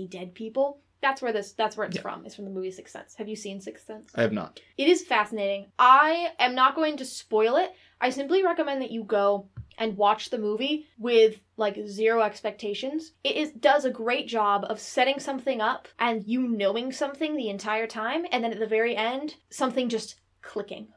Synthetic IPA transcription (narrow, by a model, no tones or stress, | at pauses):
idɛd̚pʰipl̩ˠ | ðætswə˞ðɪsðætswə˞ɨtsfɹʌ̰̃mɨ̰tsfɹʌ̃mðəmuvisɪksɛ̰̃ntshɨvjɨsĩnsɪksɛ̃ntsaɪɨvnə̰tɨɾɨz̥fæsɨneɪɾɪ̃ŋʔaɪʔɨ̃mnət̚ɡ̥oʊɪ̃ŋtɨspɔɪlˠɪt̚ | ʔaɪsɪ̃mpliɹɛkɨmɛ̃nðɨt͡ʃɨɡoʊʔɨ̃nwɑt͡ʃðɨmuviwɪð̥ | laɪkzɪɹoʊɛkspɛk̚tʰeɪʃɨ̃nz̥ɨɾɪzd̥ʌzɨɡɹeɪt̚d̥ʒ̥ɑbʌv̥sɛɾɪ̃ŋsʌ̃mθɪ̃ŋʌpʔɨ̃njɨnoʊɪ̃ŋsʌ̃mθɪ̃ŋðiɨ̃ntʰaɪə˞tʰãɪ̃mɨ̃nðɨ̃nɨt̪̚ðɨvɛɹiʔɛ̃nd̥sʌ̃mθɪ̃ŋd͡ʒʌs | kʰl̥ɪkɪ̰̃ŋ